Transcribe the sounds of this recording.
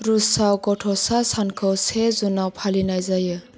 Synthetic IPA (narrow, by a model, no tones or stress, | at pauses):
ɾusawkɔʈʰɔsasankʰɯwsezunawpʰalinajzajɯ